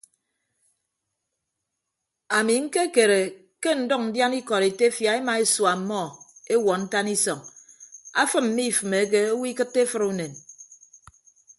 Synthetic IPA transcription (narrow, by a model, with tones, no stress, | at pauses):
a˨mi˨ŋ̩˦ke˦ke˨ɾe˨ | ke˦n̩˨dɔ˦k̚n̩˨dja˦ni˦kɔ˨ɾe˨te˦fja˨˦e˦ma˨e˦swa˨˦mːɔ˦˨e˦wɔ˨n̩˦ta˦ni˦sɔ˨ŋ | a˦fɨ˦mm̩˦mi˦˨fɨ˨me˨˦k̬e˦o˦wi˦kɨ˦tːe˦fɨ˦ɾu˦ne˨n